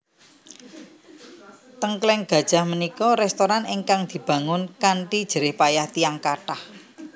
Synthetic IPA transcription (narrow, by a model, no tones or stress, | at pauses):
t̪əŋklɛŋɡ̥ä̤d̥ʒ̥a̤hmənikɔɾɛst̪oɾaniŋkaŋd̪̥i̤b̥a̤ŋʊnkaɳʈid̥ʒ̥əɾɪhpajaht̪iaŋkaʈah